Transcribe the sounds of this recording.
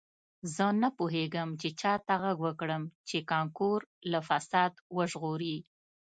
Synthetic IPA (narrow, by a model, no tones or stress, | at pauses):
zənapoɦeɡəmt͡ʃet͡ʃɑt̪aɣaɡwəkɽəmt͡ʃekɑŋkuɾlafasɑd̪wəʒɣoɾi